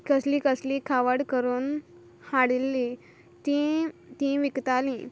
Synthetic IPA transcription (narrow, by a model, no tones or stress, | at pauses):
kəslikəslikʰaʋəɽkəɾuːn | haɽilːi | t̪ĩt̪ĩʋikt̪alĩ